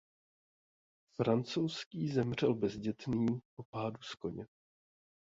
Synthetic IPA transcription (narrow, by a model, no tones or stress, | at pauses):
fɾant͡so̞wskiːzɛmr̝ɛlbɛzɟɛt̪niːpo̞paːdusko̞ɲɛ